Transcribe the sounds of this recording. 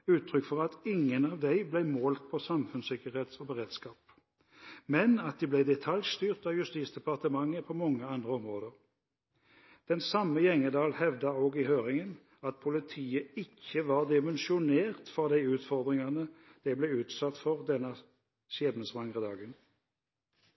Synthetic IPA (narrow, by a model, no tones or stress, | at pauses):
ʉːt̪ʰʁʏkːfɔʁɑt̪ɪŋːənɑʋd̪æɪblæɪmoːlt̪̚pʰɔsɑmfʉnsɪkəʁheːt̪sɔbəʁeːd̪skɑːp | mɛnɑt̪̚d̪ɛblæɪd̪ɛt̪ʰɑljst̪yːʁt̪ɑːʋjʉst̪iːt̪sd̪ɛpɑʁt̪əmɑŋːəpʰɔmɔŋːəɑnd̪ʁəɔmʁoːd̪əʁ | d̪̥ɛnsɑmːəjɛŋəd̪ɑːlhɛʋd̪ɑoːɡɪhøːʁɪŋən | ɑt̪̚pʰʊlɪt̪ʰiːəɪkːəʋɑːʁd̪ɪmənʃɪʊneːʁt̪fɑd̪æɪʉːt̪fɔʁd̪ʁɪŋɑnəd̪̥ɛblɛʉːt̪sɑt̪ːfɔʁd̪ɛnːə | sjeːd̪nəsʋɑŋʁəd̪ɑːɡən